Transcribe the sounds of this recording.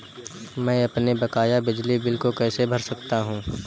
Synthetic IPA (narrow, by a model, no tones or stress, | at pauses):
mɛ̃ːɐpnebɐkaːjabɪd͡ʒlibɪlkokɛːsebʱɐɾsɐkt̪aɦũː